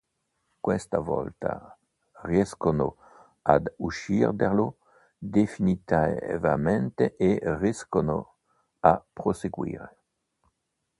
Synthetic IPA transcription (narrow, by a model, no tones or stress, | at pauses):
kwest̪avɔ̰lt̪a̰ | ʁjɛskono | ad̪uʃiʁd̪eʁlo | d̪efinit̪avament̪eʔeriskono̰ | apɾoseɡwḭːɾe